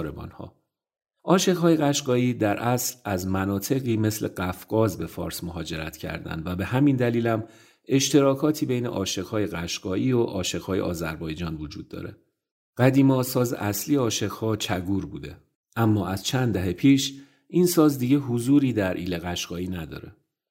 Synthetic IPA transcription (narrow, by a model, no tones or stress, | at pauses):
ɾebɒ̰nhɒ̰ː | ʔɒːʃe̞ɣɦɒːje̞ɣæʃɢɒːiːd̪æɾʔæslæzmænɒːt̪ʰe̞ɣiːme̞slḛɢæfɡ̥ɒːzbe̞fɒ̰ːɾsmoɦɒːd͡ʒe̞ɾæ̰t̪cʰæ̰ɾd̪æ̰nd̪væbe̞ɦæmind̪æliːlæm | e̞ʃt̪ʰe̞ɾɒːkʰɒːt̪ʰiːbe̞jnḛʔɒːʃe̞ɣhɒːjeɣæʃɡ̥ɒːʔiːoʔɒːʃe̞ɣ̥hɒːjeʔɒ̰ːzæ̰ɾbɒːjd͡ʒɒːnvod͡ʒuːd̪̚ːɒ̰ːɾe̞̰ | ɢ̥æd̪iːmɒːsɒːzḛʔæsliːjeɒːʃe̞ɣ̥hɒːt͡ʃʰæɡuːɾbuːd̪e̞̰ | ʔæmːɒːʔæz̥t͡ʃʰænd̪d̪æɦepʰiːʃ | ʔinsɒːzd̪iːɟeɦozuːɾiːd̪æɾʔḭːleɣæʃɡ̥ɒːiːnæd̪ɒ̰ːɾe